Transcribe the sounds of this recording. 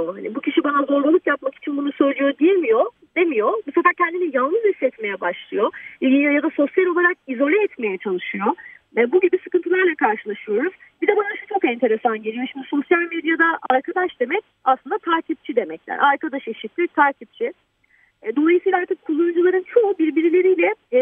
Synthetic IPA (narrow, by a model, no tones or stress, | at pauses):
oɦanibucʰiʃibanazo̞ɾɡulˠukjapmaki̥t͡ʃʰinbunusø̞jlʲijo̞d̪ijelʲmijo̞ | d̪e̞mijo̞misafaɾcʰɛnd̪inijanˠnɯzisːɛt̪me̞jɛbaʃlˠɯjo̞jad̪aso̞sjalʲo̞lˠaɾak̚izo̞lʲɛːt̪me̞jɛt͡ʃʰalˠɯʃɯjo̞ | vɛbuɟibisɯkɯnt̪ʰɯlˠaɾlˠakʰaɾʃɯlˠaʃɯjo̞ɾuzbid̪ɛbanaʃu̥t͡ʃʰo̞kɛnt̪ʰe̞ɾe̞sanɟe̞lʲijo̞ʃimd̪iso̞sjalʲmed̪jad̪aʔaɾkʰad̪aʃd̪e̞mɛc̚aslˠɯnd̪at̪ʰaɾcʰip̚t͡ʃʰid̪e̞mɛclʲæ̰ɾʔaɾkad̪aʃeʃit̪lʲic̚t̪ʰaːɾcʰip̚t͡ʃʰi | d̪o̞lˠajisiːlʲˠaaɾt̪ʰɯkkʰːulˠumd͡ʒulˠaɾɯnt͡ʃʰo̞ubiɾbiɾilʲe̞ɾijlʲɛ